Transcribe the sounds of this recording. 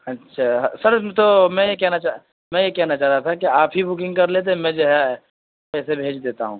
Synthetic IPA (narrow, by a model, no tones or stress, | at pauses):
ɐtːʃʰaːsɐɾt̪omɛ̃jekɛɦnat͡ʃa | mɛ̃jekɛɦnat͡ʃaːɾat̪ʰakiaːpɦibʊkɪ̃ŋɡkɐɾleːt̪̬emɛ̃d͡ʒoɦɛ | pɛːsebʱeːd͡ʒd̪eːt̪aɦũː